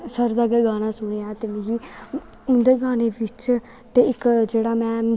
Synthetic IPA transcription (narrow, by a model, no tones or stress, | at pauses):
səɾd̪aːɡeːɡaːnaːsʊɽeːaːt̪eleːɡiː | ʊnd̪eːɡaːneːʋɪt͡ʃ | t̪eːɪkd͡ʒeːɽaːmɛ̃ː